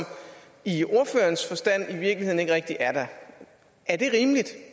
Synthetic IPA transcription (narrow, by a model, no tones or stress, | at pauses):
m | io̝ɐføːɐnsfɒ̽sd̥æn̰iʋiɐɡ̥lihe̝ð̰ˠn̩e̝ɡ̥əʁɛɡ̥̚d̥iʔæɐɾ̥æ | ʔæɐd̥e̝ʁiːmlid̥